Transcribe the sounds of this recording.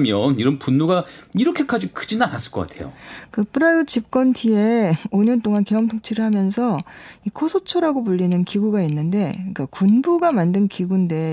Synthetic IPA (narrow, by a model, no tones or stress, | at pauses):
mjʌniɾʌnpunːuɡaiɾʌkʰe̞kʰad͡ʑikɯd͡ʑinanas͈ɯɭk͈ʌk͈a̰tʰe̞̰jo̰kɯpʰɯɾaɯt͡ɕip̚k͈ʌntʰie̞oɲʌnt͈oŋankeʌmtʰoŋt͡ɕʰiɾɯɭhamjʌnsʰʌikʰosʰot͡ɕʰoɾaɡopuʎːinɯnkiɡuɡainːɯnde̞k͈akunbuɡamandɯnkiɡunde̞